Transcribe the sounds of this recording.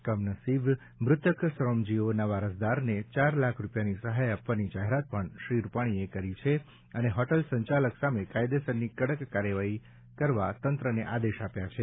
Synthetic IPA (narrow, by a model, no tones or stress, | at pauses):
kəmnəsib | mɾʊt̪ʰəksɾomd͡ʒionəʋaɾəsd̪aɾnet͡ʃaɾlakʰɾupjanisəɦajapʋanid͡ʒaɦeɾat̪̚pəɳʃɾiɾupaɽ̃iekəɾit͡ʃʰe | əneɦɔʈəlsə̃ɲt͡ʃaləksamekajd̪esənːikəɽəkːaɾjəʋaɦi | kəɾʋat̪ənt̪ɾəneʔad̪eʃapjat͡ʃʰe